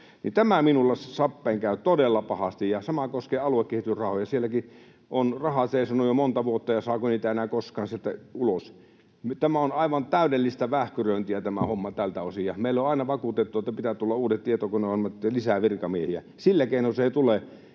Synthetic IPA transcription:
nit̪æmæminulːɑssɑpːeˑːŋkæˑyt̪odelːɑpɑhɑst̪ijjɑsɑmɑkoskeːɑluekkehit̪yrrɑhojɑsielːˑæki | onrɑhɑt̪seeˑisɑnojomont̪ɑʋuot̪ːɑjɑsɑːkoniːt̪æenæːˑkoskɑːnsielt̪æulos | mt̪æmæonɑˑiʋɑnt̪æˑydelːist̪ɑʋæhkyrøint̪iæt̪æmæhomːɑt̪ælt̪æosijɑmeˑilːoɑˑinɑʋɑkut̪et̪ːuet̪ːæpit̪æt̪ulːɑuːdett̪iet̪okuneoæt̪lisæʋirkɑmiehiæ̰ | silːækeˑinolseˑit̪ule

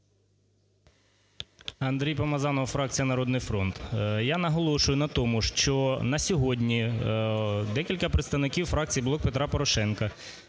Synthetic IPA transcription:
ɐnd̪ɾʲijpɐmɐzɑnɔʋfɾɑk̚t͡sʲijɐnɐɾɔd̪nɪjfɾɔnt̪janɐɦɔlˠɔʃʊjʊnɐt̪ɔmʊʃt͡ʃɔnɐsʲɔɦɔdʲnʲi | d̪ɛkʲilʲkɐpɾet̪st̪ɐʋwnɪkʲiwfɾɑk̚t͡sʲijiblˠɔk̚pet̪ɾɑpɔɾɔʃɛnkɐ

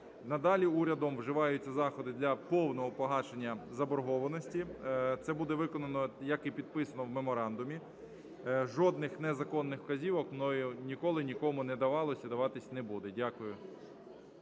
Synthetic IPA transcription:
nɐd̪ɑlʲiuɾʲɐd̪ɔmwʒɪʋɑjʊt͡sʲːɐzɑxɔd̪ɪd̪lʲɐpɔwnɔɦɔpɔɦɑt͡ʃenʲːɐzɐbɔɾɦɔʋɐnɔsʲtʲit̪sɛbud̪ɛʋɪkɔnɐnɔjɐkɪpʲid̪̚pɪsɐnɔwmemɔɾɑnd̪ʊmʲi | ʒɔd̪̚nɪxnɛzɐkɔnːɪxkɐzʲiʋɔkmnɔjʊnʲikɔlˠɪnʲikɔmʊnɛd̪ɐʋɑlˠɔsʲɐd̪ɐʋɑt̪ɪsʲnɛbud̪ɛdʲakʊjʊ

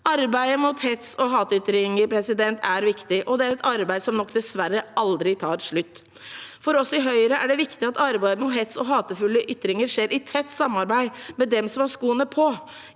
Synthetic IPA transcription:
ɑɾbæɪəmʊt̪hɛt̪sɔɦɑːt̪ʏt̪ɾɪŋəɾpʰɾɛsɪd̪ɛnt̪ʰæɾʋɪkt̪ɪʔɔd̪ɛæɾɛt̪ɑɾbæɪsɔmnɔkːd̪ɛsʋæɾːəɑld̪ɾɪt̪ʰɑːɾʂɭʉt̪ː | fɔɾɔsɔɪɦœʏɾəʔæɖɛʋɪkt̪ɪɑt̪ɑɾbæɪmʊt̪ɦɛt̪sɔɦɑːt̪əfʉlːəʔʏt̪ːɾɪŋəɾʂeːɾʔɪt̪ʰɛt̪ːsɑmːɑɾbæɪmɛd̪ɛmsɔmhɑʂkuːənəpʰɔ

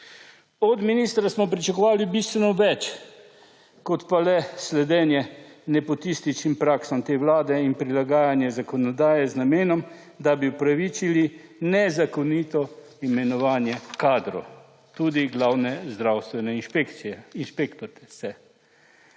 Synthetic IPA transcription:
ɔd̪miniːst̪ɾasmɔpɾit͡ʃakɔʋaːlibist̪ʋɛnɔʋɛt͡ʃ | kɔt̪palɛslɛd̪ɛːnjɛnɛpɔt̪ist̪it͡ʃnimpɾaːksɔmt̪eːwlaːd̪ɛinpɾilaɡaːjanjɛzakɔnɔd̪aːjɛznameːnɔm | d̪abiupɾaʋit͡ʃili | nɛzakɔnit̪ɔ | imɛnɔʋaːnjɛkaːd̪ɾɔ̰ | t̪ud̪iɡlawnɛzd̪ɾawst̪ʋɛnɛpek̪iɛinʃpekt̪ɔɾt̪ɛsɛ

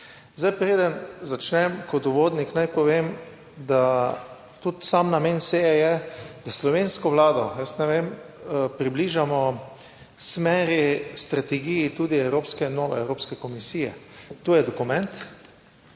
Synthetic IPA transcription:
zd̪ajpɾeːd̪ənzat͡ʃnɛmkɔt̪ʊʋoːd̪niknajpɔʋem | d̪a | t̪ut̪samnamensejɛjɛd̪̥aslɔʋenskɔʋlaːd̪ɔjəsnɛʋem | pɾibliːʒamɔ | smɛːɾist̪ɾat̪ɛɡijit̪uːd̪iɛwɾoːpskɛnɔːʋɛ̰ɛwɾoːpskɛkɔmisijɛ̰t̪oːjɛd̪ɔkumɛ̃nt̪

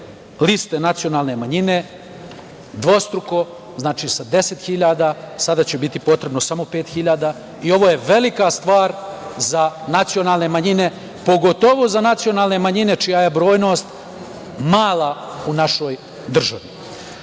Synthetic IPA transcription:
list̪e̞nat̪sio̞naːlˠne̞maɲine̞ | d̪ʋo̞st̪ɾuko̞ | znaːt͡ʃiːsad̪e̞se̞t̪xiʎaːd̪asad̪at͡ɕebit̪ipo̞t̪ɾe̞bno̞samo̞pe̞ːt̪xiʎaːd̪aː | io̞ʋo̞ːje̞ʋe̞likast̪ʋaːɾzanat̪sionaːlˠne̞maɲine̞ | po̞ɡo̞t̪o̞ʋozanat̪sijo̞naːlˠne̞maɲine̞t͡ʃijaje̞bɾo̞ːjno̞ːst̪ | maːlˠaunaʃo̞j | d̪r̩ʒaʋi

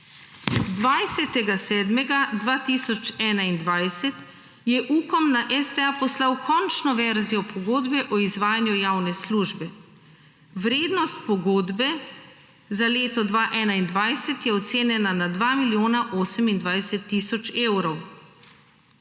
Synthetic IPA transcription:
d̪ʋajsɛt̪ɛɡasɛːd̪mɛɡad̪ʋaːt̪iːsɔt͡ʃɛːnaind̪ʋajsɛt̪ | jɛʔuːkɔmnaʔɛst̪ɛapɔslawkʰɔnt͡ʃnɔʋɛɾzijɔpʰɔɡoːd̪bɛʔɔizʋaːjanjujawnɛsluːʒbɛ | ʋɾeːd̪nɔst̪̚pɔɡoːd̪bɛ | zaleːt̪ɔd̪ʋaːʔɛːnaind̪ʋajsɛt̪jɛɔt̪seːnjɛnanad̪ʋaːmiljoːnaʔoːsəmind̪ʋajsɛt̪ːiːsɔt͡ʃeːwɾɔw

